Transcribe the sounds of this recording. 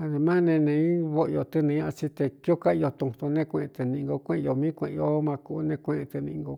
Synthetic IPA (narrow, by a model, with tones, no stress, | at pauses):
a˧ðe˧mã˦nẽ˧nẽ˧ĩ˦βo˦ʔjo˧t̪ɨ˧nẽ˧˦ã˧ʔt͡ʃi˧t̪e˧ki˦o˦ka˦˧jo˧t̪ũ˧t̪u˧nẽ˦kʷẽ˧ʔẽ˧t̪e˧nĩ˧ŋɡo˧kʷẽ˦ʔjo˧mĩ˦kʷẽ˧ʔo˦mã˧ku˧ʔnẽ˧kʷẽ˧ẽ˧t̪e˧nĩ˧ŋɡo˧